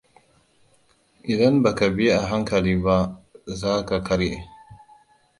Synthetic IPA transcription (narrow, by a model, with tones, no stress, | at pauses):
ʔɪ˨dɐ˦nba˨ka˨bi˦je˦ʔa˨ɦa˦ŋkɐ˨liː˦ba˦zaː˦ka˨kʰɐ˦ɾʔe˨